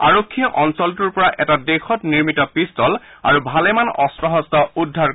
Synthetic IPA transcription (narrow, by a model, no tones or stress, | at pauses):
a̰ɹokʰːijɔʔɔnsɔlt̬uɹpɔɹaʔɛtadexʰɔtniɹmitɔpistɔl | a̰ɹubʱalɛmanɔstɹɔɦɔstɔudʱːaɹ